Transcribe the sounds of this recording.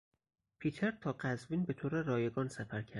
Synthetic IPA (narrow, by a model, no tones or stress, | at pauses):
pʰiːt̪ʰeɾt̪ʰɒːɢæzviːnbe̞t̪ʰoːɾeɾɒːjeɡɒːnsæfæɾcʰæd̪